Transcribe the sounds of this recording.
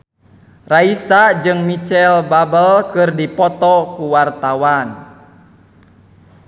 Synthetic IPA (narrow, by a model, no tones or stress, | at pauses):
raisad͡ʒɨŋmit͡ʃɛlbabəlkɨrdipɔt̪ɔkuwart̪awan